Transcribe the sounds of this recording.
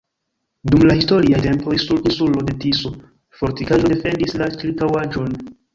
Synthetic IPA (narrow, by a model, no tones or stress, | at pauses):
dumlahisto̞ɾiajte̞mpoisuɾinsulo̞de̞tiso̞ | fo̞ɾtikaʒo̞de̞fe̞ndislat͡ʃilktawad͡ʒo̞n